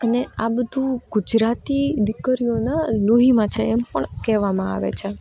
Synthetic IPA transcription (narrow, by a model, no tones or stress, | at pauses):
əneabəd̪ʱũɡ̥ud͡ʒɾat̪id̪ɪkːəɾijonaloɦimãt͡ʃʰeɛmpəɳkɛʋamãa̰ʋḛt͡ʃʰe